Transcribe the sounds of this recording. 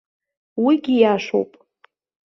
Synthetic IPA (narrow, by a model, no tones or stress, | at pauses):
wiɡʲijaʂo̰wpʼ